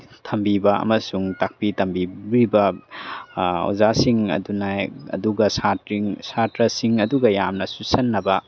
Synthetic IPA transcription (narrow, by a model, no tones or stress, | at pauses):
tʰɐmbibɐɐ̰mɐsuŋtak̚pitʰɐmbibɾibɐ | o̰zasiŋɐ̰dunajɐ̰duɡɐsatɾiŋsatɾɐsiŋɐduɡɐjamnɐsusɐnːɐbɐ